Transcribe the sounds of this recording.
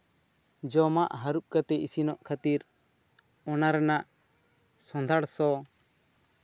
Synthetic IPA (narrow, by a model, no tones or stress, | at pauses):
d͡ʒɔmaʔɦaɾup̚kat̪ɛʔisinɔʔkʰat̪iɾ | ɔnaɾɛnaʔ | sɔ̃nd̪ʱaɽsɔ